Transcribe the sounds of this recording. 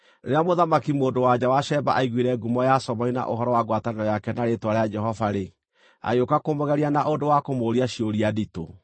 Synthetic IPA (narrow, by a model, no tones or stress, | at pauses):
eɾeamoðamakimoːndowad͡ʑawaʃɛba̰ʔaiɣwiɾɛɡumɔjasɔβɔina̰ʔoɦɔɾɔwaɡwataneɔjakɛnaɾetwaɾead͡ʒɛɦɔvaɾe | a̰jokakomoɣɛɾianaʔondowakomoɾiaʃioɾiadito̰